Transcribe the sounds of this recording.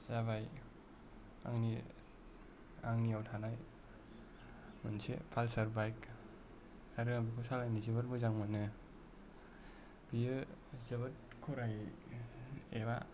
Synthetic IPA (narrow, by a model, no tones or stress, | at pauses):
zaβaj | a̰ŋni | aŋniawtʰanaj | mɯnsḛpʰalsaɾbajk | haɾɯŋabikʰɔsalajnizibɯt̚mɯzaŋmanɯ | bijɯzɯbɯt̚ | kʰɔɾaj | eβa